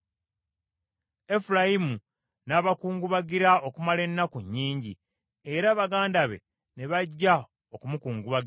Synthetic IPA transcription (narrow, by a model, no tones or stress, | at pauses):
e̞fuɾajimu | naːβakuːŋɡuβaɡiɾao̞kumale̞nːakuɲːiːɲɟi | e̞ɾaːβaɡaːndaβe̞̰ | ne̞βaɟːa | o̞kumukuːŋɡuβaɡi